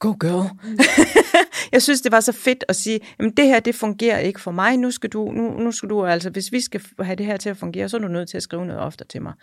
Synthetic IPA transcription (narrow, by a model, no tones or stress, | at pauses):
ɡ̥oʊɡ̥ølˠ | jɑɪsynsd̥e̝ʋɑ̈sɒ̽fe̝d̥ɒ̽siːjæmnd̥e̝hæɐ̰d̥e̝fɔ̽ŋɡ̥e̝̰ːɐe̝ɡ̥əfɒ̽mɑ̈ɪnusɡ̥æd̥ununusɡ̥æd̥uæl̰səʋe̝sʋisɡ̥æɦæd̥e̝ɦæɐ̰t͡sʰe̝læfɔ̽ŋɡ̥e̝̰ːɐs̬ɒ̽æd̥unøð̞̰ˠt͡sʰe̝læsɡ̥ʁḭːʊnɔ̽ðˠɒ̽fd̥ə̥t͡sʰe̝mɑ̈ɪ